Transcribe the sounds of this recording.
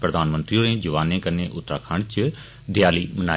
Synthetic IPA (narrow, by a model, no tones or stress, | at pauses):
pɾɐd̪ʱaːnmə̃nt̪ɾioɾẽd͡ʒɐʋaːnẽkɐneʔʊt̪ːɾaːkʰaːɽt͡ʃɪ | d̪ʱɪjaːlimɐna̰ː